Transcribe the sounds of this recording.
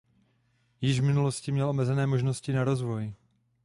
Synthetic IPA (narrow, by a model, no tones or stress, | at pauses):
jɪʒvmɪnuloscɪmɲɛlʔo̞mɛzɛnɛːmo̞ʒnoscɪnaɾo̞zvo̞j